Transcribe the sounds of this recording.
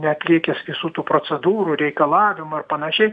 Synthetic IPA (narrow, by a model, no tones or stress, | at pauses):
nʲɛɐt̪ʲlʲiɛkʲɛsʋʲɪsuːt̪uːpɾoːt͡s̪ʲɛd̪uːɾuːɾʲɛɪkɐlˠɑːʋʲɪmʊɐrpɐnɐʃʲɛɪ